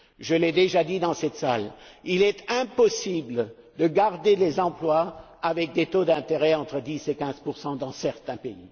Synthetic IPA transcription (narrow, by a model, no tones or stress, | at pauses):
ʒəlɛd̪eʒad̪id̪ɑ̃sɛt̪salilɛt̪ɛ̃pɔsibl | d̪əɡaʁd̪elezɑ̃plwaː | vɛk̚d̪et̪od̪ɛ̃t̪eʁɛɑ̃t̪χəd̪isekʲɛ̃zpuʁsɑ̃d̪ɑ̃sɛʁt̪ɛ̃peḭ